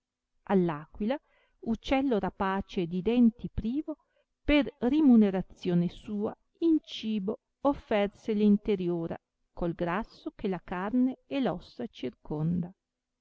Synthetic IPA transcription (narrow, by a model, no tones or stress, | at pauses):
alːaːkwila | ut͡ʃːɛlːoɾapaːt͡ʃed̪id̪ɛnt̪ipɾiːvo | perrimuneɾat̪sːjoːnesuːa̰ | int͡ʃiːbo | ofːɛrselint̪eɾjoːɾa̰ | kolɡɾasːokelakarneɛlɔsːat͡ʃirkond̪a